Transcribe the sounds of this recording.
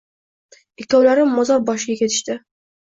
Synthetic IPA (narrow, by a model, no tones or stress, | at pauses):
ɪkʲt̪ʰɒblaɾɪmːɒzɒɾbɒʃɪɡʲakʲe̞t̪ʰɪ̥ʃt̪ɪ